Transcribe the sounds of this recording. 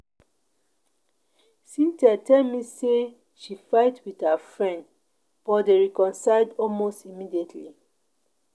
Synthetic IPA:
sĩntatʰɛlmise | ʃifaɪtwið̥hafɹɛ̃nd | b̥ɔdeɹikɔ̃nsaɪldɔlmostimidietʰli

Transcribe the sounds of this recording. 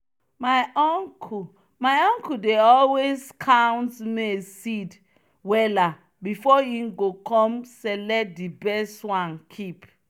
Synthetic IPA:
maɪɔŋkʰu | majɔ̃ŋkudeɔlweskʰãwntmesid | wɛla | bifɔĩmɡokɔ̃mselɛt̚dibɛstwãnkʰip

